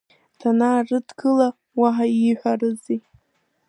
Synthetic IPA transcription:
tʰanaːrɨdɡɨla | waɦaiħʷᶣarɨzi

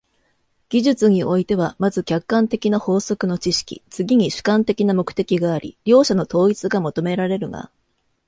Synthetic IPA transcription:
ɡ̥ʲiʑɨt͡sɨɲ̟iʔo̞it̪e̞β̞amazɨkʲakːãnt̪e̞kʲinaho̞ːso̞kɯ̟no̞t͡ɕiɕi̥kʲḭt͡sɨɡʲiɲ̟iɕɨ̥kãnt̪e̞kʲinamo̞kɯ̟̥t̪e̞kʲiɡaːɾʲḭɾʲo̞ːɕano̞t̪o̞ːit͡sɨɡamot̪o̞me̞ɾaɾe̞ɾɯ̟ɡa̰

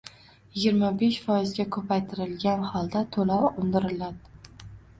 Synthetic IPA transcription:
jɪɡʲɪɾmabeʃfɒjɪzɡʲakʰɵpʰajt̪ʰɪɾɪlɡʲanhɒlˠd̪at̪ʰolaʊnd̪ɪɾɪlad̪ɪ

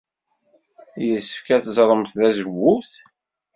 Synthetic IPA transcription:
jəsːə̥fkæθzˤɾˤəmθðæzəwːuθ

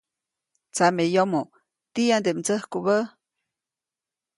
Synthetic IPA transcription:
t͡samejomo | t̪iand̪eʔmt͡səhkuβə

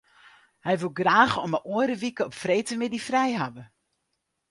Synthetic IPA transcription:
hɛjʋulˠɡraːɣəɔməʔoəɾəʋikəɔpfrejtəmɪdifrɛjɦavə

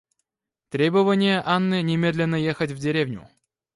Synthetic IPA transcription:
t̪ɾʲebəvənʲɪjəʔanːɨnʲɪmʲe̞d̪lʲɪnːəjexətʲvdʲɪɾʲevnʲʊ̰

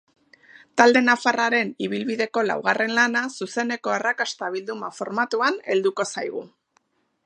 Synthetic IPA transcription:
t̪ald̪e̞nafaraɾe̞niβ̞ilβiðe̞ko̞la̰wɣ̞are̞nlanasuse̞ne̞ko̞arakast̪aβ̞ild̪umafo̞ɾmat̪uane̞ld̪uko̞sajɣ̞u

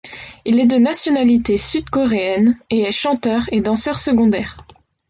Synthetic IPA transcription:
ilɛd̪ənasjɔnalit̪esyd̪kɔʁeɛneɛʃɑ̃t̪œʁed̪ɑ̃sœʁsəɡɔ̃d̪ɛːʁ

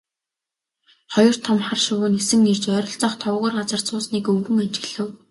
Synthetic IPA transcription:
χɔjɞ̆r̥t̪ʰɔmχarʃʊwʊːnesɘ̆ŋert͡ɕœːɾʲɞ̆ɬt͡sɔχt̪ʰɔwʁʊːrɢat͡sə̆r̥t͡sʰʊːsniːkɵwɾɘ̆ŋant͡ɕɪ̆ɣɮɘ̆w

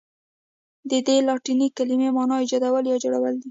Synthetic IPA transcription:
d̪əd̪elɑʈinikalimemɑnɑid͡ʒɑd̪awəljɑd͡ʒoɽawəld̪i

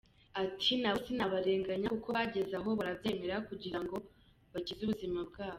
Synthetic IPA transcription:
atʰinaβosinaβaɾe̞ːŋɡaɲakuko̞βaɟe̞zaɦo̞βaɾabje̞ːme̞ɾakuɟiɾaŋɡo̞ | βaɟizuβuzimabɡaːβo

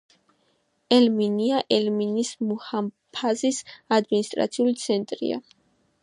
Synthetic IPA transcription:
ɛlminiaʔɛlminismuham | pʰazisad̪minist̪ʼɾa̰t̪sʰiulit̪sʰɛnt̪ʼɾḭa̰

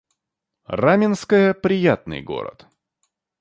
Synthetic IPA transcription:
ramʲɪnskəjəpɾʲɪjat̪nɨ̰jɡo̞̰ɾə̰t̪

